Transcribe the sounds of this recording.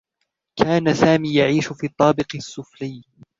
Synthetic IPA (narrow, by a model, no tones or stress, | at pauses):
kaːnasaːmiːjaʕiːʃʊfiːt̪ˤːɑːbɪqɪsːʊfɾɪj